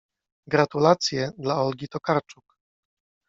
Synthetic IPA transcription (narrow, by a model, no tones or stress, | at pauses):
ɡɾat̪ulat̪sʲjɛd̪laɔlɡʲit̪ɔkaɾt͡ʂuk